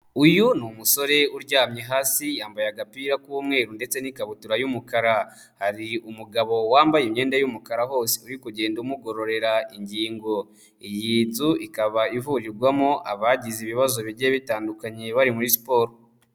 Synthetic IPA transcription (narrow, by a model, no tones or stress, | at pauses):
ujunumuso̞ɾe̞uɾɟaːmɲeɦaːsijaːmbajaɡapiːɾakuːmŋe̞ːɾunde̞t͡se̞nikaβutuɾajumukaɾa | haɾiumuɡaβo̞waːmbajimɲe̞ːndajumukaɾaɦo̞ːse̥uɾikuɟe̞ːnduumuɡo̞ɾo̞ɾe̞ɾaʔiɲɟiːŋɡo̞ | ijiːzuikaβaivuɾiɾɡwamoʔaβaɟiziβiβazo̞βiɾɟeβitaːndukaɲe̞βaɾimuɾisi̥po̞ːɾo